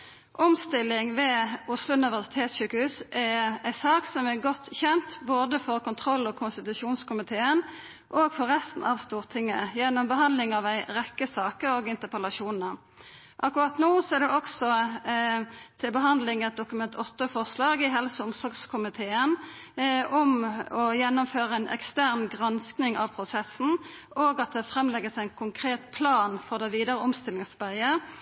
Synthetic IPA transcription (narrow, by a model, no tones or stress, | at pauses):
ʔɔmst̪ɪlːɪŋʋɛːʊslʊnɪʋəsɪ̥t̪ʰeːt̪sʃʉːkəhʉːsʔɛæɪsɑːksɔmɛɡɔt̪ːçɛnt̪boːd̪əfɔʁkʊnt̪ʰɾɔlːɔkʰʊnst̪ɪt̪ʉʃuːnskʊmɪt̪ʰeːən | ʔoːɡfɔɾɛst̪n̩ʔɑʋst̪uːʁt̪ʰɪŋːə̰jɛnːɔmbəɦɑnd̪lɪŋɑʋæɪɾɛkːəsɑːkəɾoːɡɪnt̪əpʰɛlɑʂuːnə | ʔɑkːʊʁɑt̪noːsɔæʁd̪ɛʔɔksɔ | t̪ʰɪlbəɦɑnd̪lɪŋɛt̪̚d̪ʊkʉmɛnt̪ʰɔt̪ːəfɔʁslɑːɡɪɦɛlsəʊmsɔɾɡskʰʊmɪt̪ʰeːən | ɔmɔjɛnːɔmføːʁəæɪnʔɛ̰kst̪æʁnɡʁɑnsknɪŋɑ̰ʋpʰʁʊsɛsn̩ | oːɡɑt̪̚d̪ɛfʁɛmːlɛɡəsæɪnkʰʊŋkʰʁeːt̪pʰlɑːnfɔʁd̪ɛʋiːd̪əʁəɔmst̪ɪlɪŋsʋæɪə